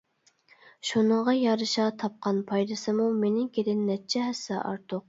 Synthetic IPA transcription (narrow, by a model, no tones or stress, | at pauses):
ʃunəŋʁɑjɑɾɨʃɑt̪ʰɑp̚qɑnpʰɑjd̪ɨsɨmumenɪkʲed̪ɪnːɛt͡ʃʰɛɦɛsɛʔɑ̰ɾt̪ʰʊq̚